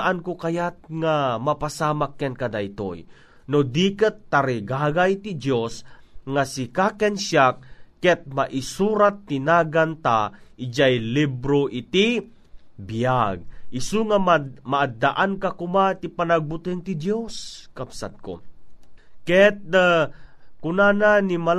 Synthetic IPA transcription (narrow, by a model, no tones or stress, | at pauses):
ʔankokajat̪̚ŋamapasaːmakːɛnkɐd̪ajt̪o̰j | nod̪iːkət̪ːaɾɪɡaːɡajt̪ɪd̪josŋasɪkakɛnʃjak̚ːɛt̪̚maʔɪsuːɾat̪ːɪnaːɡant̪aʔɪd͡ʒajlibɾoʔit̪i | bijaɡ̚ɪsuŋaamaʔːd̪aʔankakʊmat̪ipanaɡ̚bʊt̪ɪnt̪ɪd̪joskabsa̰d̪̚ko̰ | kɛt̪̚ | kʊnananimal